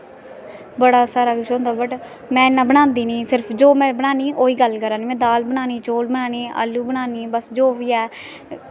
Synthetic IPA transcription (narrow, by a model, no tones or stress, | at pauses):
bəɽaːsaːɾaːkʊʃõːnd̪aːbəʈ | mɛ̃ːɪnːãːbəɽ̃ãːnd̪iːnĩːsɪɾpʰd͡ʒoːmɛ̃ːbəɽaːniːʔoːiːɡəlkəɾãːniːmɛ̃ːd̪aːlbənãːniːt͡ʃoːlbənaːniːa̰ːlːuːbəɽaːniːbəsd͡ʒoːʋiːɛː